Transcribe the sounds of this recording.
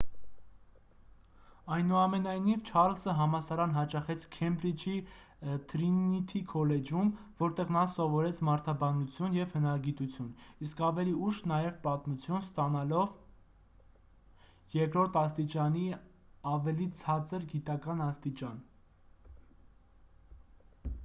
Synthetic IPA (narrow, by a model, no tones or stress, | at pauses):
ɑjnuɑmɛnɑjnivt͡ʃʰɑɾlsəɦɑmɑsɑɾɑnɦɑt͡ʃɑχɛt͡sʰkʰɛmbɾit͡ʃʰi | t̪ʰɾinit̪ʰikʰɔlɛd͡ʒumvɔɾt̪ɛʁnɑsɔvɔɾɛt͡sʰmɑɾt̪ʰɑbɑnut͡sʰjunjɛvhənɑɾɑɡit̪ut͡sʰjuniskɑvɛliuʃnɑjɛvpɑt̪mut͡sʰjunst̪ɑnɑlɔv | jɛkɾɔɾt̪ʰɑst̪it͡ʃɑni | ɑvɛlit͡sʰɑt͡səɾɡit̪ɑkɑnɑst̪it͡ʃɑn